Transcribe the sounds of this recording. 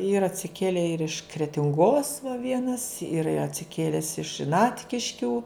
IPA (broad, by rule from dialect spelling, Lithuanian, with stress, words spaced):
ˈiːrɐ ɐtʲsʲɪˈkʲeːlʲeː ɪr ɪʃ krʲɛtʲɪŋˈɡoːs ʋɐ ˈʋʲiɛnɐs ˈiːrɐ ɪ ɐtʲsʲɪˈkʲeːlʲɛs ɪʃ ˈnɑːtʲkʲɪʃʲkʲuː